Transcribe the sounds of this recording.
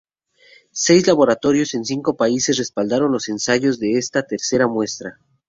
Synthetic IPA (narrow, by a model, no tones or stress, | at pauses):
se̞jzlaβo̞ɾat̪o̞ɾjo̞se̞nsiŋko̞paise̞sre̞spald̪aɾo̞nlo̞se̞nsaʝo̞zðe̞est̪at̪e̞ɾse̞ɾamwe̞st̪ɾa